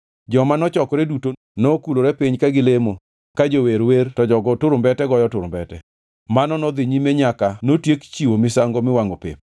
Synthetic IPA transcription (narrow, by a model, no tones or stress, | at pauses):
d͡ʒɔmanɔt͡ʃɔkɔɾɛduto | nokuloɾɛpɪɲkaɡɪlemo | kad͡ʒoweɾwertɔd͡ʒɔɡɔtʊɾʊmbɛtɛɡɔjɔtʊɾʊmbɛtɛ̰ | manɔnɔd̪ɪɲimeɲakanotjekt͡ʃiwomɪsaŋɡomɪwaŋopɪ̰m